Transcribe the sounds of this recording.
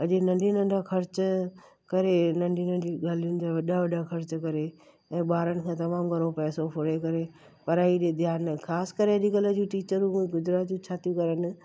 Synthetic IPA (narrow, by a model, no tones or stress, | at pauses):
ɐʄenɐ̃ɳɖʱinɐ̃ɳɖakʰɐɾt͡ɕ | kɐɾenɐ̃ɳɖʱinə̃ɖiːɡaːlijʊ̃nɪt̪aʋɐɗaʋɐɗakʰɐɾt͡ɕkɐɾe | ɛ̃ːɓaːɾənɪ̆kʰãːt̪ɐmaːmɡʱɐɾõpɛːsopʰʊɽekɐɾe | pɐɾaːiɗed̪ʱjaːnkʰaːskəɾeɐɗiɡɐləd͡ʑũʈiːt͡ɕəɾũmuĩɡʊd͡ʑɾaːt̪d͡ʑũt͡ɕʰaːt̪jũkɐɾənɪ̆